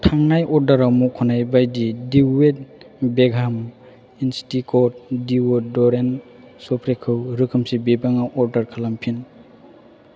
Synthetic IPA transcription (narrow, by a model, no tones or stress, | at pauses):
tʰaŋnajɔɾdaɾamukʰɔnajbajdidiwet̚ | beɡʱam | instikʰɔt̚diwɔdɔɾen | sɔpʰɾekʰɯwɾɯkʰɯmsibebaŋaʔɔɾdaɾkʰalampʰin